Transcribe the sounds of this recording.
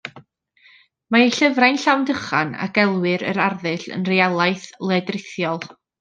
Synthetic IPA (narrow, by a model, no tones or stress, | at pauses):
maejɬəvrajnɬawndəχana̰ɡ̥ɛlˠwɨɾə̰ɾarðɨɬə̰nrejalˠajθlˠɛdrɪθjɔlˠ